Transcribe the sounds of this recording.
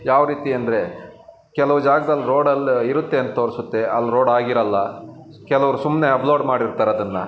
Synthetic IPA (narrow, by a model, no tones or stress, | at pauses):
jaːʋɾiːt̪iɐnd̪ɐɾe̞ | kɛlɐʋud͡ʒaːɡɐd̪ɐlːɾoːɖɐlːiɾut̪ːe̞ɐnt̪ɐt̪oːɾisut̪ːe̞ɐlːɾoːɖaːɡiɾɐlːɐ | kɛlɐʋɐɾusumne̞ɐploːɖmaːɽiɾt̪aːɾeɐd̪ɐnːɐ